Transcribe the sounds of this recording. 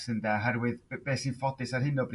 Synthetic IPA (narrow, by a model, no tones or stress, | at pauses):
səndaɦɛrwɨðb̥eːsinfɔdɪsarɦɪnɔbr